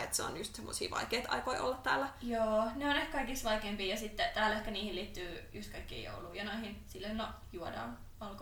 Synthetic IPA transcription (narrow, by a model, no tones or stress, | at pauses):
et̪seo̰nːyst̪semːosḭːʋɑ̰ikeːt̪ɑ̰ikoiʔo̰lːɑt̪t̪æ̰ːlːæjoːneonehkkɑikisʋɑikeːmpiːjɑsit̪ːet̪æːlehkæniːhiliːt̪ːyːjust̪kɑikːḭːjo̰uluijɑnoihinsilːono | juodɑ̰ːn | olk